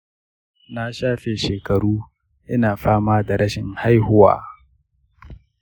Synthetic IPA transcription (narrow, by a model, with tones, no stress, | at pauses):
na˦ʃaː˦ɸe˨ʃeː˨kɐ˨ɽuː˦ | ʔɪ˦naː˨ɸaː˦maː˦da˨ɽɐ˦ʃɪ˨ŋha˦jhʊ˦wa̰ː˨